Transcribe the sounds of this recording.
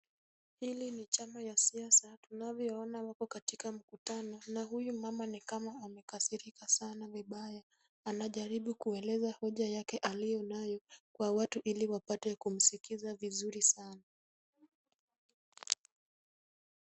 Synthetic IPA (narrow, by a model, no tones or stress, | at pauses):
hilinit͡ʃamajasiasatunavjɔɔnawakɔkatikam̩kutanɔnaɦujumamanikamaamɛkasiɾikasanaviɓaja | anaʄaɾiɓukuɛlɛzahɔʄajakɛʔalijɔnajɔkwawatuʔiliwapatɛkum̩sikizavizuɾisana